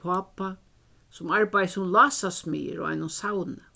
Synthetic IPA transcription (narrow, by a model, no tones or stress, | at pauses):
aːpa | sʊmaɹbajsʊmlɑːsasmḭːə̰ɾɔ̰a̰jnʊnsawnə